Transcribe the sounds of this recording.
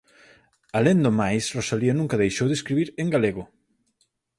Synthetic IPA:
alend̪omajsrosaliɐnũŋkaðejʃowðeskɾiβiɾeŋɡaleɣʊ

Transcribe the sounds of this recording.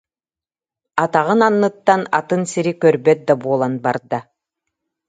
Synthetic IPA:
at̪aʁɯnanːɯt̪ːanat̪ɯnsiɾikœɾbœt̪̚d̪abuɔlˠanbaɾd̪a

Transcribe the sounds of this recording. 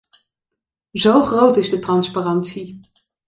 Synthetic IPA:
zowχrowtɪzdətrɑnsparɑntsi

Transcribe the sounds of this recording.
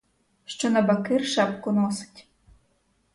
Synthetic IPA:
ʃt͡ʃonɐbakɪrʃɑp̚kʊnosɪ̥tʲ

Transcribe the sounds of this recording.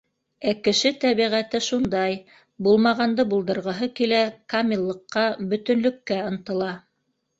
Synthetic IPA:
ækɘ̆ʃɘt̪æβiʁæt̪ɘʃund̪ɑj | bulˠmɑʁɑnd̪ɤbulˠd̪ɤ̆ɾʁɤ̆ɦɤkilækamʲilˠːɤ̆qːɑbɵ̆t̪ɵ̆nlɵ̆kːæɤ̆nt̪ɤ̆lˠɑ

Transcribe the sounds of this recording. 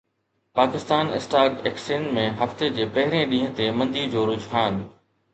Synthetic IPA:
paːkɪst̪aːnɪ̰sʈaːɡeːksẽːnmẽɦɐft̪ed͡ʑeːpɐɦɪɾẽɗĩːɦə̃t̪emɐ̃nd̪iːd͡ʑoːɾʊd͡ʑɦaːn

